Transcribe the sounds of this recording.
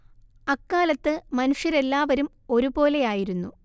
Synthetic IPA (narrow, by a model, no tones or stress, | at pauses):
ɐkːaːlɐt̪ːɨmɐnuʂjɐɾe̞lːaːʋɐɾum | o̞ɾubo̞ːle̞jaːjiɾunːu